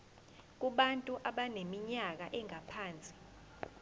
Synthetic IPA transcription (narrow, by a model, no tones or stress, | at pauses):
k̬uɓantʼuʔaɓanemiɲak̬aʔɛŋapʰaːnt͡sʼi̥